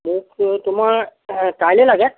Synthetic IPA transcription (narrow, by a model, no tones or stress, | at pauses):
mũːkt̪um̤akajlelaɡɛ̃